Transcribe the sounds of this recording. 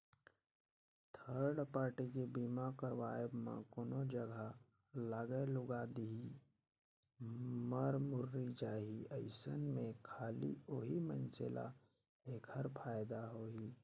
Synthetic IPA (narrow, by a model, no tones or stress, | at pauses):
t̪ʰəɾɖpaːɾʈikebiːmakəɾwaːjəbmã̰koːnod͡ʒəɡʱa | laːɡəlʊɡad̪ii | məɾmʊɾːid͡ʒaːɦiəɪsənmẽkʰaːlḭoːɦimə̰̃nsela̰ | eːkʰəɾpʰaːjd̪aɦoːi